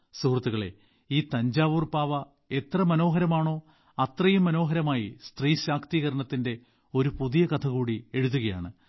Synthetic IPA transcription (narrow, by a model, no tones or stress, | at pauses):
suhrɐt̪ːuɣɐɭe̞̰ | iːt̪ɐɲd͡ʑaːʋuːrpaːʋɐ | e̞t̪rɐmɐno̞ːɦɐɾɐmaːɳo̞ː | ɐt̪rɐjumːɐno̞ːɦɐɾɐmaːjist̪riːɕaːkʰt̪iːɣɐɾɐɳɐt̪ːinde̞ | o̞ɾupuðijɐkɐt̪ʰɐɣuːɽie̞ɻuðuɣɐja̰ːɳɨ